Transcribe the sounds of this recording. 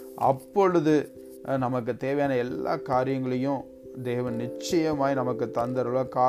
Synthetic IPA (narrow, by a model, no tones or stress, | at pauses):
ɐ̰pːɔɻɯðɯ | nɐmɐk̬ːɯt̪eːʋɐjaːnɐɛlːa̰ːkaːɾɪjɐŋɡɐɭɐjʊ̃ | d̪eːʋɐnnɪt͡ʃːɐjɐmaːɣinɐmɐkːɯt̪ːɐnd̪ɐɾɯɭakaː